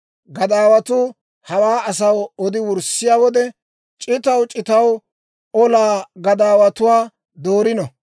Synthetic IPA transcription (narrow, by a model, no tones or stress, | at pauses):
ɡɐd̪aːwɐt̪ʊː | hɐwaːɐs̬ɐwɔd̪ɪwʊɾsɪjaːwɔd̪ɛ | t͡ʃʼɪt̪ɐwt͡ʃʼɪt̪ɐw | ɔlaːɡɐd̪aːwɐt̪ʊwaː | d̪oːɾɪnɔ